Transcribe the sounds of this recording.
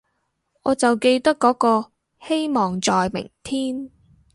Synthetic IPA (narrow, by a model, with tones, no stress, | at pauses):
ʔɔː˨˧t͡sɐ˨wke˧jt̪ɐ˥kːɔː˨˥kɔː˧ | he˥jmɔː˨ŋt͡sɔː˨jmɪ̰˨˩ŋt̪ʰiː˥n